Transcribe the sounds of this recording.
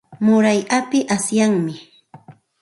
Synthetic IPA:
mʊɾajʔapɪʔasjaŋmɪ

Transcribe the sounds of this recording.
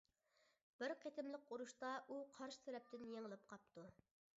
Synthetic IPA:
b̥ɪɾqʰet̪ʰɪmlˠəq̚uɾuʃt̪ɑʔuqʰɑɾʃɪ̥sʰɛɾɛp̚t̪ʰɪnjeŋəlˠɪp̚qʰɑp̚t̪ʰu

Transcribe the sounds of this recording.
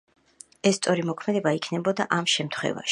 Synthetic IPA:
ɛst̪sʼɔɾimɔkʰmɛd̪ɛbaikʰnɛbɔd̪aʔamʃɛmt̪ʰχwɛ̰va̰ʃ

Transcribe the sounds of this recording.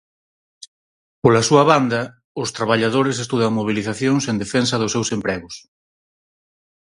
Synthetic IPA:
polɐsuɐβand̪ɐ | ʊst̪ɾaβaʎað̞oɾɪsest̪uðaŋmoβ̞iliθaθjoŋsend̪efɛns̬ɐðʊsːewsempɾɛɣʊs

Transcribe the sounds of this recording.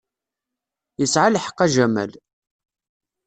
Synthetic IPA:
jəsʕalħə̥qːæʒæmæ̰l

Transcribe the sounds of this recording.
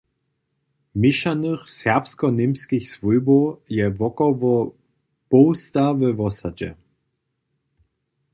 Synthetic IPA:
mɪʃanəχsɛɐpskɔnɪmskɪçsvujbojɛvɔkɔvɔ | b̥oʊstavəvɔsad͡ʒɛ̰

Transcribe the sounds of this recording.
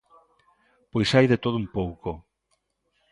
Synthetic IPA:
pojsajðet̪oðumpowko

